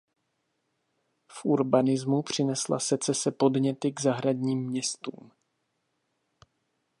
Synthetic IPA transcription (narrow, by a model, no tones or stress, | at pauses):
fʔuɾbanɪzmupr̝̥ɪnɛsla̰sɛt͡sɛsɛpo̞dɲɛt̪ɪɡzaɦɾadɲiːmːɲɛst̪ṵːm